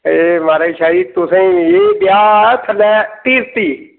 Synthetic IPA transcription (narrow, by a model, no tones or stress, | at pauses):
emaːɾaʃaːɾiːt̪ʊsẽeːbjaːt̪ʰəlɛːt̪iːɾt̪iː